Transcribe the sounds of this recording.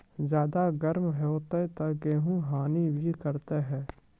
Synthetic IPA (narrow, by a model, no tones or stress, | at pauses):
d͡ʒjaːd̪aɡəɾmɦɛot̪et̪ɐɡeːɦũɦaːnibʱikəɾt̪eɦɛ̃ː